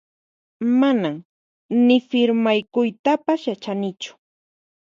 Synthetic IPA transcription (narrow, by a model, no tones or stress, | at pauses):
manam | nɪfɪɾmajkʊjt̪apasjat͡ʃanɪt͡ʃʊ̥